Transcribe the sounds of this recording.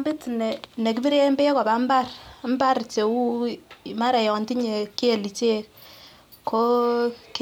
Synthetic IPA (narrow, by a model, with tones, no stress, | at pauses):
mbe˦ti˨nɛ˨ne˨k̬i˦bi˦ɾe˦mbe˦kɔ˨ba˨m˦ba˦rm˦ba˦ɾt͡ʃe˨wu˦ma˦ɾa˨jɔ˨nti˦ɲe˨ki˦e˨li˨t͡ʃe˦ | kʰo˦k